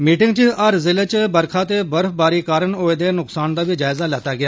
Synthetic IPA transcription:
miːʈɪ̃ŋɡt͡ʃəəɾzɪlət͡ʃbəɾkʰaːt̪eːbəɾfbaːɾiːkaːɾənoːed̪eːnʊksaːnd̪aːbiːd͡ʒaːɪzaːlɛːt̪aːɡɪjaː

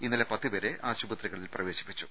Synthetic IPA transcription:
inːɐlepɐt̪ːɨʋɐɾe̞ʔaːɕubɐt̪riɣɐɭilprɐʋe̞ːɕi̥pːi̥t͡ɕːu

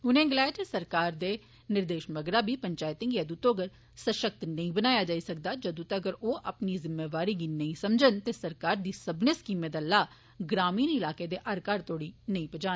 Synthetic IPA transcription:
ʊnẽːɡɪlaːjtesəɾkaːɾd̪eː | nɪɾd̪eːʃməɡɾaːbiːpəɲt͡ʃaːɪt̪ɪ̃ŋɡjaːd̪ut̪oːɡəɾ | səʃək̚t̪nəĩːbənaːjaːd͡ʒaːiːsək̚d̪aːd͡ʒod̪ut̪ːɡəɾoːʔəpniːzɪmːeːʋaːɾiːɡiːnəĩːsəmd͡ʒənt̪eːsəɾkaːɾd̪iːsəbneːskiːmed̪alaː | ɡɾaːmiːnɪlaːkeːd̪eːʔəɾkaːɾt̪ʰoːɽiːnəĩːpəd͡ʒaːn

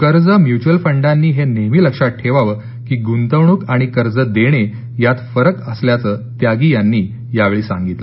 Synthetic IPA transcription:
kəɾd͡zəmjut͡ɕuəlfəɳɖanːiːɦeneɦmiːləkʂaʈʰeʋaʋə | kiːɡunt̪əʋɳukaɽ̃ikəɾd͡zəd̪eɽ̃e | jat̪fəɾəkəsljat͡sət̪jaɡiːjanːiː | jaʋeɭiːsã̰ŋɡit̪lə

